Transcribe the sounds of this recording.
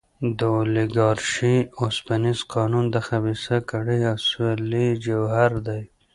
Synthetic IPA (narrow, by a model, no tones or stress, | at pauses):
d̪əliɡɑɾʃiospanisqʰɑnund̪əxabisakaɽijaswelid͡ʒawhaɾd̪aj